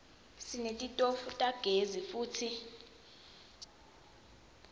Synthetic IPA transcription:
sinetʼitʼofutʼaɡ̥ʱezifuːtʰi

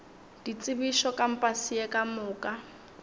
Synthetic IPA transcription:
d̥it͡sʼɪbiʃɔkʼam̩pʼasiɛkʼamʊːkʼa

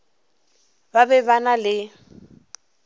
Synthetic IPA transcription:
babɛbanalɪ

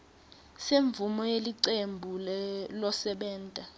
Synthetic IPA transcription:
seɱvumɔjeliǀembʱulɛlɔsɛɓɛːntʼa

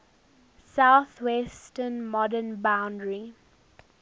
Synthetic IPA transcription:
saʊθwɛsʈənmɔdənbãʊ̃ndɹi

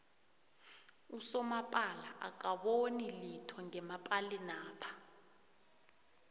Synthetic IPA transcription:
usɔmapʼalaʔa̰k̬aɓonilitʰɔŋɛmapʼalinaːpʰḁ

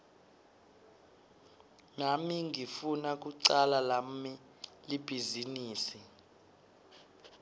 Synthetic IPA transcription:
namiŋifunak̬ʼuǀalalammi | lib̥ʱiziniːsi

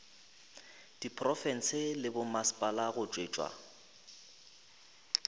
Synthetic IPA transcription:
d̥ipʰʼrɔfɛn̩sɪlɪbʊmaspʼalaɣʊt͡ʃʼweːt͡ʃʼwa̰

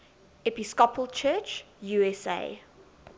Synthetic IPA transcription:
ɛpiskɔpʰəlˠt͡ʃʰɜːt͡ʃ | juɛsḛː

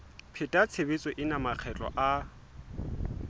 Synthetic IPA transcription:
pʰɪtʼat͡sʰebet͡sʼɔʔɪnamak͡xʰɛt͡ɬʼɔ̰ʔa

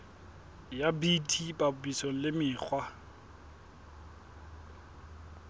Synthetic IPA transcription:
jabitʰibʼabʊbisoŋ̩lɪmɪːk͡xʰwa

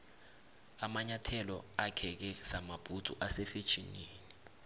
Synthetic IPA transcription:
amaɲatʰɛlɔakʰɛk̬ɛz̥amab̥ʱutʼṵʔasɛfe̥t͡ʃʰʼiniːni

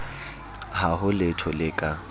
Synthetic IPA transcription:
haɦʊlɪtʰɔlɪkʼa

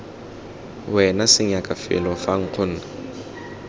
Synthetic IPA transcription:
wɛnasɪɲakʼafɪ̰lɔfaŋ̩q͡χʰʊn̩ːna

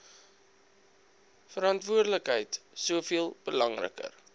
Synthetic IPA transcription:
fəɾɑntvuərdələkɦəjtsuəfiəlˠb̥əlɐŋrə̰kə̰r

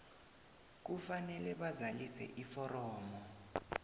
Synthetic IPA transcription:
k̬ufanɛlɛɓazalisɛ̰ʔifɔrɔːmɔ

